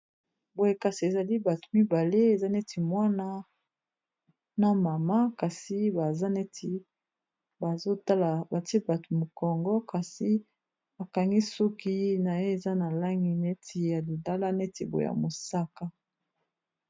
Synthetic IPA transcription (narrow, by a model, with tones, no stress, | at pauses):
bo˨je˨ka˨si˨e˨za˨li˦ba˨to̥˨mi˦ba˨le˦e˨za˦ne˦ti˨mwa˦na˦ | na˦ma˨ma˦ka˨si˦ba˨za˦ne˦tʰi˨ | ba˨zo˦ta˦la˨ba˨tba˨to˨mo˨kɔ˨ŋɡɔ˦ka˨si˨ | a˨ka˨ŋɡi˦sɔ˦ki˦na˨je˦e˨za˦na˨la˦ŋi˨ne˦tʰi˨ja˨li˨nda˦la˦ne˦ti˨bo˨ḛ˨a̰˨mo˨sa˦ka˦